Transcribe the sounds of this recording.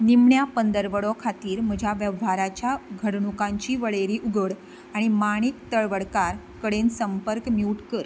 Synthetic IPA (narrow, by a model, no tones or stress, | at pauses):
nimɳjapənd̪əɾʋəɭɔkʰat̪iːɾm̤əd͡ʑʱjaʋjəʋɦaɾat͡ɕjaɡʱəɽɳukãɲt͡ɕiːʋəɭeɾiːʔuɡʱəɽ | aɽ̃imaɽ̃ikt̪əɭʋəɽkaɾ | kəɽensəmpəɾkmiuuʈkəɾ